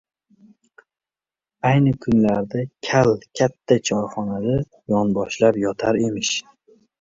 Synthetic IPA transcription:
ajnɪkʰʊnlaɾd̪akʲʰalkʲʰat̪ʰːat͡ʃʰɒɾχɒnad̪a | jɒnbɒʃlapjɒt̪ʰaɾe̞mɪʃ

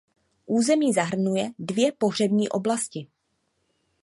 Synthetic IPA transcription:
ʔuːzɛmiːzaɦr̩nujɛdvjɛpo̞ɦr̝ɛbɲiːʔo̞blascɪ

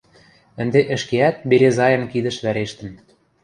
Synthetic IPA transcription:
ə̆nd̪eʔə̆ʃkeæt̪̚beɾezɑjɤ̆nkid̪ə̆ʃβæɾeʃt̪ə̆n

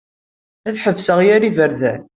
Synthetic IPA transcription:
æθħəvsəʁjæɾivəɾðæn

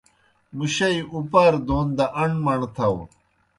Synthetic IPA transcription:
muɕɐiupɐɾd̪oːnd̪ɐʔɐɳmɐɳt̪ʰɐw

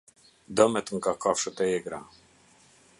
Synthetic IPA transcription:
d̪əmɛt̪əŋkakafʃət̪ɛɛɡɾa̰

